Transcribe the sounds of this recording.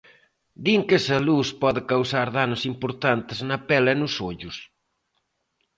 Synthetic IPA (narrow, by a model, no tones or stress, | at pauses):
d̪iŋkɛsɐluspɔðɪkawsaɾðanʊsimpoɾt̪ant̪ɪznɐpɛlɐenʊsoʎʊs